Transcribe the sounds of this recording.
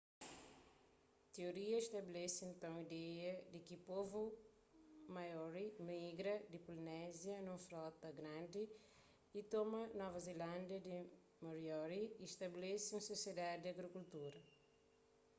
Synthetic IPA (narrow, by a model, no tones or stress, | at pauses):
t̪eoɾiɐiʃt̪ɐbelɛsẽnt̪ɐ̃w̃id̪ɛjɐd̪ɪkipovu | majɔɾimiɡɾɐd̪ɪpulinɛzjɐnũfɾɔt̪ɐɡɾãnd̪i | it̪ɔmɐnɔvɐzelɐ̃nd̪ɐd̪i | moɾjɔɾiːʃt̪ɐbelɛsũɐsosjed̪ad̪id̪ɐɡɾikult̪uɾɐ